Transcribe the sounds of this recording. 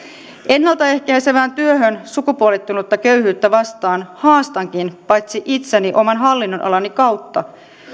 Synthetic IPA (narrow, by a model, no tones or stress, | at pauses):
ʔe̞nːɑlt̪ɑe̞hkæjseʋæːnt̪yøɦønsukupuolit̪ːunot̪ːɑkø̞yhyːt̪ːæʋɑst̪ɑːnhɑːst̪ɑŋkinpɑjt̪siʔit̪seniʔo̞mɑnɦɑlːinːo̞nʔɑ̰lɑnikɑwt̪ːɑ̰